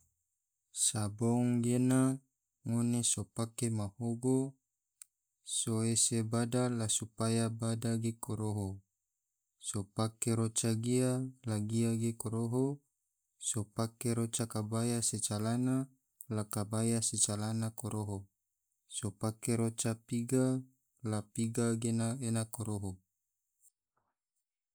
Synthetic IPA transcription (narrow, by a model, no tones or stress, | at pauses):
saboŋɡena | ŋonesopakemahoɡo | soesebadalasupajabadaɡekoɾoɦo | sopakeɾot͡ʃaɡialaɡiaɡekoɾoɦo | sopakeɾot͡ʃakabajaset͡ʃalana | lakabajaset͡ʃalanakoɾoɦo | sopakeɾot͡ʃapiɡa | lapiɡaɡenaenakoɾoɦo